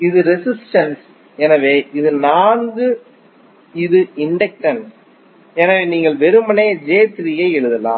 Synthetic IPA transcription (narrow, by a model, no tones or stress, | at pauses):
ɪðɯɾɪsɪsʈɐns | ɛnɐʋeːʔɪðɯnaːnɡɯ | ɪðɯɪɳɖɛk̚ʈɐn | ɛnɐʋeːniːŋɡɐɭʋɛɾɯmɐneːd͡ʒeːt̪ɾɪjɐɪɛɻɯðɐla̰ːm